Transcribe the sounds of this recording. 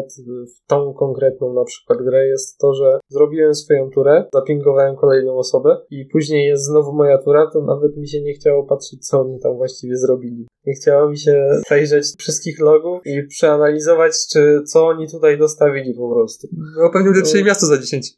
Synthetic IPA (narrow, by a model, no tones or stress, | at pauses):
t̪ft̪ɔ̃w̃kɔŋkɾɛt̪̚nɔ̃w̃napʂɘ̥kwad̪ɡɾɛjɛst̪ːɔʐɛzɾɔbʲiwɛmsfɔjɔ̃w̃t̪uɾɛzapʲiŋkɔvawɛmkɔlɛjnɔ̃w̃ɔsɔbɛipuʑɲejːɛst̪znɔvumɔjat̪uɾat̪ɔnʔa̰vɛt̪mʲiɕ̬ɛɲɛxt͡ɕawɔpatʂɛt͡ɕ̚ʲt̪sɔɔɲit̪amvwaɕt͡ɕivʲjɛzɾɔbʲilʲi | ɲɛxt͡ɕawamʲiɕɛʂɛjʐat͡ɕfʂɨst̪̚kʲixlɔɡufipʂɛanalʲizɔvat͡ɕt͡ʂɘt̪sɔɔɲit̪ut̪ajd̪ɔst̪avʲilʲipɔpɾɔst̪uɔpɛvɲɛwlʲɛt̪ʂɛmʲjast̪ɔzad͡ʑeɕeɲt͡ɕ